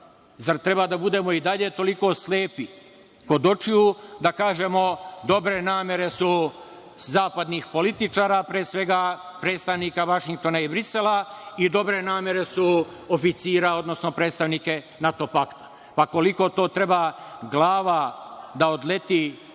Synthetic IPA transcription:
zaɾt̪ɾe̞bad̪abud̪e̞ːmo̞id̪aʎe̞t̪o̞likosleːpi | ko̞d̪o̞t͡ʃiud̪akaːʒe̞mo̞d̪o̞bɾe̞naːmje̞ɾe̞su | zaːpad̪nixpo̞lit̪it͡ʃaːɾapɾeːsʋe̞ɡapɾet̪st̪aʋniːkaʋaʃiŋk̚t̪o̞naibɾiselaid̪o̞bɾe̞naːmʲe̞ɾe̞su | ofit̪siːɾao̞d̪no̞sno̞pɾeːt̪st̪aʋnike̞ | nat̪o̞pakt̪ḁ | pako̞liko̞t̪o̞ːt̪ɾe̞baɡlˠaːʋad̪aod̪le̞t̪i

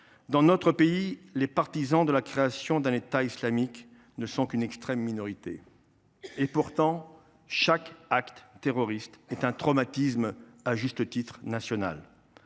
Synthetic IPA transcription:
d̪ɑ̃not̪χəpeilepaʁt̪izɑ̃d̪əlakχeasjɔ̃d̪ɛ̃net̪aislamik | nəsɔ̃kynɛkst̪χɛmːinɔʁit̪ḛ | epuʁt̪ɑ̃ | ʃakakt̪ːeʁɔʁist̪ɛt̪ɛ̃t̪χɔmat̪ismaʒyst̪ət̪it̪χnasjɔna̰l

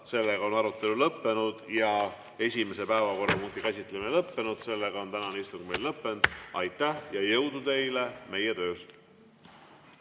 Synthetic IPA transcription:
se̞lːeɡ̥ɑo̞nɑɾut̪ːˑe̞lulɤpːe̞nud̪̥jɑ | e̞sʲime̞se̞pæevɑko̞rɑmunt̪ikæsʲit̪ːˑlemelɤpːe̞nud̪̥se̞lːeɡ̥ɑo̞nt̪ænɑneist̪uŋɡme̞jlːlɤpːe̞nd̪̥ɑjt̪ːˑæhjɑjɤwd̪ut̪e̞jle̞me̞jet̪ø̞ːs

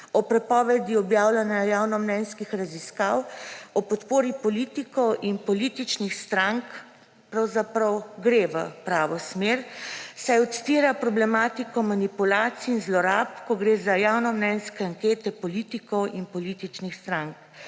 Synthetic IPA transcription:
ɔpɾɛpɔːʋɛd̪iɔbjaːwlanjajaːwnɔmnɛnskixɾaziskawɔpɔt̪poːɾipɔliːt̪ikɔwʔinpɔlit̪it͡ʃnixst̪ɾaŋk | pɾawzapɾɐwɡɾeʋə̰pɾaːʋɔsmeɾsajɔt̪si̥t̪iːɾapɾɔblɛmat̪ikɔmanipulaːt̪siinzlɔɾapkɔɡɾezajaːwnɔmnɛnskɛaŋkeːt̪ɛpɔlit̪ikɔwʔinpɔliːt̪it͡ʃnixst̪ɾaŋk̚

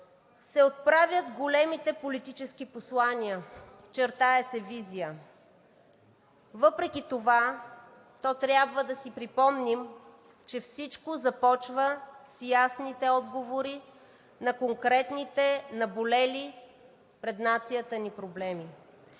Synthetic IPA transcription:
sɛot̪̚pɾavʲjət̪ɡolɛmit̪ɛpolit̪it͡ʃɛskiposlˠaniə | t͡ʃɛɾt̪aɛsɛvizijə | vɤpɾɛkʲit̪ova | t̪ɔt̪ɾʲjabvəd̪ɐsipɾipɔmnim | t͡ʃɛfsit͡ʃkozɐpɔt͡ʃvəsjasnit̪ɛɔd̪ɡovoɾi | nɐkoŋkɾɛt̪nit̪ɛnɐbolɛli | pɾɛd̪nat̪sijət̪ənipɾoblɛmi

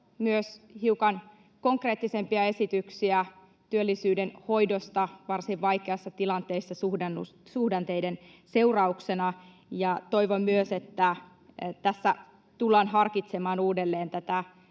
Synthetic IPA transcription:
myøshiuwkɑn | ko̞ŋkre̞ːt̪ːisempiɑe̞sit̪yksiæ | t̪yølːisyːdenho̞jdost̪ɑʋɑrsiʋʋɑjkeɑsːɑt̪ilɑnt̪eisːɑsuhdɑnːussuhdɑnt̪ejden | seurɑuksenɑ | jɑt̪o̞iʋommyøse̞t̪ːæ | t̪æsːæ | t̪ulːɑːnɦɑrkit̪semɑːnuːdelːeːnt̪æt̪æ

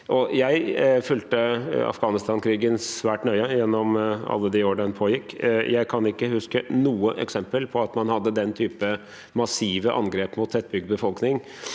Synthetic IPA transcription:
ʔɔjæɪfʉːlt̪əɑ̰fɡɑːnɪst̪ɑːnkʰɾiːɡənsʋæːʈnœʏəjɛnːɔmɑ̰lːəd̪ɪoːɖɑnpʰoːjɪkːjʔæɪkʰɑnɪkːəhʉskənuːəʔɛ̰ksɛmpəlpʰɔɑt̪mɑnhɑd̪ːəd̪ɛnt̪ʰyːpə | mɑsiːʋəʔɑ̰nɡɾeːpmʊt̪ːʰɛt̪̚ːbʏɡ̪̚bəfɔlknɪŋ

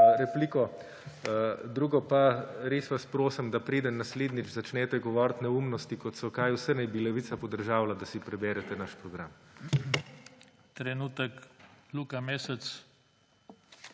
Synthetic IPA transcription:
ɾɛpliːkɔ | d̪ɾuːɡɔpaɾeːsʋaspɾoːsəmd̪apɾeːd̪ənːasleːd̪nid͡ʒzat͡ʃnɛːt̪ɛɡɔʋɔːɾt̪nɛumnɔst̪ikɔt̪sɔkajwsənɛbilɛʋit̪sapɔd̪əɾʒaːwlad̪asipɾɛbɛːɾɛt̪ɛnaʃpɾɔɡɾam | t̪ɾɛnuːt̪əkluːkameːsɛt͡s̪

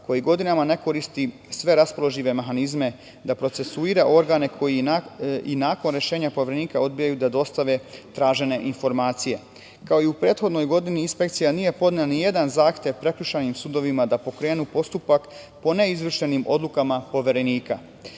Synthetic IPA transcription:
ko̞jiɡo̞d̪inamane̞ko̞ɾist̪i | sʋe̞ɾaspo̞lˠo̞ʒiʋe̞meɦanizme̞ | d̪apɾo̞t̪se̞suiːɾaʔo̞ɾɡaːne̞kʰo̞ji | inaːko̞nɾe̞ʃe̞ːɲapo̞ʋʲeɾe̞niːkao̞d̪̚bijajud̪ad̪o̞st̪aʋe̞t̪ɾaːʒe̞ne̞ʔinfo̞ɾmaːt̪sije̞ | kao̞iupɾe̞ːt̪xo̞d̪no̞jɡo̞d̪iniːnspe̞k̚t̪sijanije̞po̞d̪neanije̞d̪anzaːxt̪ʲje̞ʋpɾe̞kʎuʃanimsud̪o̞ʋimad̪apo̞kɾe̞ːnupo̞st̪upak | po̞ne̞izʋr̩ʃe̞nimo̞̰d̪lˠukamapo̞ʋʲe̞ɾe̞niːka̰

